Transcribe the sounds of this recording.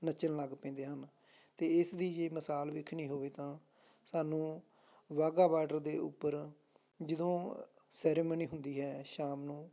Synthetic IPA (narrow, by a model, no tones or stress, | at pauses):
nət͡ʃənləɡpɛ̃ːnd̪eːɦən | t̪eːɪsd̪iːd͡ʒeːməsaːlʋɪkʰnĩːɦoːʋeːt̪ãː | saːnũː | ʋaːɡaːʋaːɖəɾd̪eːʊ̰pːəɾ | d͡ʒɪd̪õː | sɛːɾeːmoːniːɦʊnd̪iːɦɛːʃaːmnũː